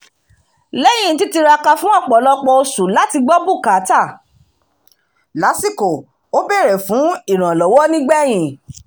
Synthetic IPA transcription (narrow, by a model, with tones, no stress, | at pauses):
lɛ˦j̃ĩ˦˨ti˨˦ti˧ɾa˧ka˧fũ˦a˦˨k͡pɔ˨lɔ˦k͡pɔ˧o˧su˨la˨˦ti˧ɡ͡bɔ˦bu˦˨ka˨˦ta˦˨ | la˨˦si˦ko˨ | o˦bɛ˦˨ɾɛ˨fũ˨˦i˦˨ɾ̃ã˨lɔ˨˦wɔ˦nĩ˦ɡ͡bɛ˦˨j̃ĩ˨